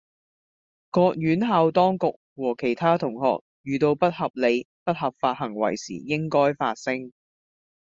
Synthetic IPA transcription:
kɔː˧k̚jyː˨˥nɦaː˧wt̪ɔː˥ŋkʊ˨k̚wɔː˨˩kʰe˨˩jt̪ʰaː˥t̪ʰʊ˨˩ŋhɔ̰ː˨k̚jyː˨˩t̪o˧wpɐ˥t̚hɐ˨p̚le˨˧jpɐ˥t̚hɐ˨p̚faː˧t̚hɐ˨˩ŋwɐ̰˨˩jsḭː˨˩jɪ˥ŋkɔː˥jfaː˧t̚sɪ˥ŋ

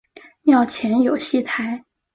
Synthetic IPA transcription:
njɑ˥˩ʊt͡ɕʰjɛ˧˥njo˨˩ʊɕi˥˩t̪ʰa˧˥ɪ

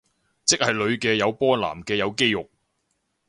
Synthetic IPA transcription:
t͡sɪ˥k̚hɐ˨jlɵ˨˧ɥkɛː˧jɐ˨˧wpɔː˥la̰ː˨˩mkɛː˧jɐ˨˧wke˥jjʊ˨k̚

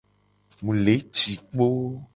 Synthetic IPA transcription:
mũ˨le˨˦t͡ʃi˨k͡po˦

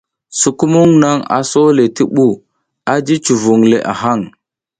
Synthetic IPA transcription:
su˨ku˦mu˦ŋna˦ŋa̰˨so˦le˨ti˦ɓu˦˨ | a˦d͡ʒi˦t͡ʃu˨vu˨ŋle˨ʔa̰˨ɦa˦˨ŋ

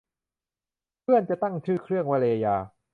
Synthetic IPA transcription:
pʰɯ˥˩ənt͡ɕa˨˩t̪a˥˩ŋt͡ɕʰɯː˧˥˩kʰɾɯ˥˩əŋwa˧˩le˧a˧jaː˧

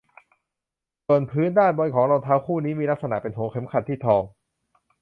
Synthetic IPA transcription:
so˨˩ənpʰɯː˦˥ndaː˥˩nbɔ˧jkʰɔː˩˦ŋɾo˧t̪ʰaː˦˥wkʰuː˥˩niː˦˥miː˧la˦˥k̚sa˧na˨˩ʔpe˧nɦu˩˦əkʰe˩˦mkʰa˨˩t̪ʰːiː˥˩t̪ʰɔː˧ŋ

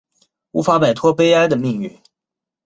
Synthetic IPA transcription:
u˧˥fa˧˥pa˨˩ɪt̪ʰwɔ˥pe˥ɪa˥ɪd̪ə˨mi˥˧ŋy˥˩

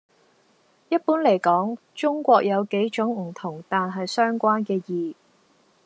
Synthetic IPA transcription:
jɐ˥t̚puː˨˥nle˨˩jkɔː˨˥ŋ | t͡ʃʊ˥ŋkʷɔː˧k̚jɐ˨˧wke˨˥jt͡ʃʊ˨˥ŋm̩˨˩t̪ʰʊ˨˩ŋt̪aː˨nɦɐ˨jsœː˥ŋkʷaː˥nkɛː˧jiː˨

